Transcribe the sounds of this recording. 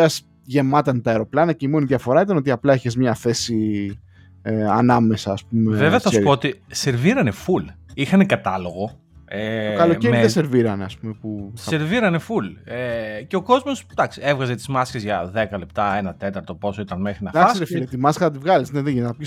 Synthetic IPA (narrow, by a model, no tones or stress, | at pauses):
ɐs | ʝemɐt̪ɐnt̪ɐeɾo̞plɐnɐceimoniðʝɐfo̞ɾɐit̪ɐno̞t̪iɐplɐeçezmɲɐθe̞si | ɐnɐme̞sɐːspumevevveɐsɐsueɾpoot̪iseɾviɾɐnefulixɐnekɐt̪ɐlo̞ɣo̞ | ekɐlo̞eɾt̪ese̞ɾviɾɐneɐspume̞puseɾviɾɐnefuleceoko̞zmo̞sd̪ɐksie̞vɣɐzet̪i̥zmɐsçezʝɐðekɐle̞p̚t̪ɐenɐt̪e̞t̪ɐɾt̪opo̞soit̪ɐnmexɾinɐɐkseɾefiɾet̪imɐsxɐt̪ɐt̪ivɣɐlizne̞ðeʝinet̪ɐpe